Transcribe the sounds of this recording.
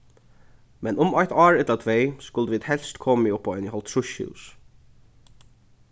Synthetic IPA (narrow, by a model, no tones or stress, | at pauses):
mɛnʊmɔjt̪ɑːɹɛt̪lat̪ʰvejskʊlt̪əʋiːd̪hɛlst̪kʰɔːmiʊpːanɪɦɔlt̪ʰɹʊʃṵs